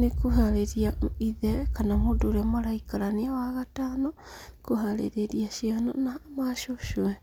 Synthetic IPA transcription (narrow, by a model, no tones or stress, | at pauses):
nekuɦaɾeɾiaiðɛkanamodoɾemaɾaikaɾaniawaɣataːno | kuɦalḛɾeɾiaʃianonamaʃoʃuɛ